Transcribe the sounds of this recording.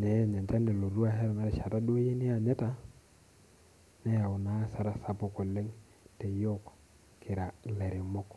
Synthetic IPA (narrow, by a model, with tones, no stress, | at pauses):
nɛ˨˦˨ɲɛ˨nta˦nde˨lo˨ɾu˦a˦˨ɦɛ˦ɾna˨˦ɾɛ˦ʃa˨ta˦do˦e˦je˦nɪ˦a˨ɲɛ˦ta˦ | nɛ˦ja˨ʊ˨na˦sa˦ɾa˨sa˨pʊ˨ko˨le˦ŋ | tɛ˨jɔ˦k | kɪ˨ɾa˨lɛ˨ɾɪ˨mɔ˦k